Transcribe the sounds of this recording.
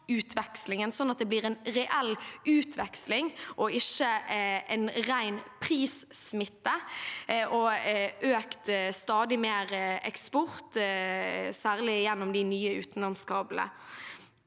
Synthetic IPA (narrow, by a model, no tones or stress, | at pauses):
ʉːt̪ʰʋɛkslɪŋənsɔnːɑt̪̚d̪ɛːbliːʁɛnʁɛʔɛlʉːt̪ʰʋɛkslɪŋʔɔɪʃəɛnʁæɪnpʰʁiːssmɪt̪ːə | ʔɔʔøːkt̪st̪ɑːd̪ɪmeːɾɛkspɔɾt̪ | sæːʁlɪjɛnːɔmd̪ɪnyːəʉ̰ːt̪n̩lɑnskɑːblə̰